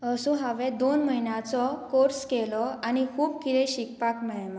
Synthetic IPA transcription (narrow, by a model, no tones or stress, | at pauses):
əsũɦaʋɛ̃d̪onməɦinjãt͡sɔkoɾskɛlɔañikʰuːb̚kit̪ɛ̃ɕikpakmɛɭɛma